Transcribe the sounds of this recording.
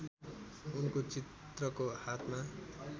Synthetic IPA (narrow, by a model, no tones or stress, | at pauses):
unkot͡sit̪ | rʌkohat̪ʰma